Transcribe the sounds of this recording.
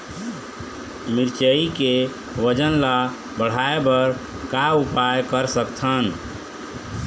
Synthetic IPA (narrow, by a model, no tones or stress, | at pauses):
miɾt͡ʃəike | ʋəd͡ʒənla | bəɽ̤aebəɾ | kaupajkəɾsəkt̪ʰən